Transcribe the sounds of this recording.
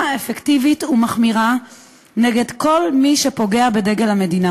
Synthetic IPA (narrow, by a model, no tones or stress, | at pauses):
efektivitumaχmiʁa | ne̞ɡe̞dko̞lmiʃe̞po̞ɡeabedeɡelhame̞dina